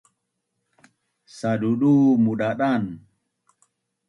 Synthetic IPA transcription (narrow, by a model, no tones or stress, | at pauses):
saɗuɗumuɗaɗan